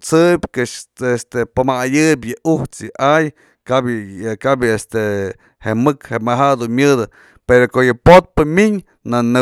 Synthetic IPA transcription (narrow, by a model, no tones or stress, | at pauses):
t͡sɨbʲkɨʂest̪epamajɨbʲjɨʔuht͡sjɨʔaj | kabkabjest̪e | hemɨkhemaɦad̪unmʲjɨðɨ | peɾokojɨpot̪̚pɨmʲiɲ | nanɨ